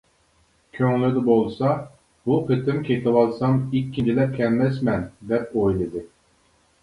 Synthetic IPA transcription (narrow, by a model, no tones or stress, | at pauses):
kʲʰøŋlyd̪ɪbolˠsɑ | b̥uqʰet̪ɪmkʲʰet̪ʰɨwɑlˠsɑmikʲːind͡ʒʰilɛp̚kʲʰɛmmɛsmɛnd̪ɛp̚ojlˠɨd̪ɨ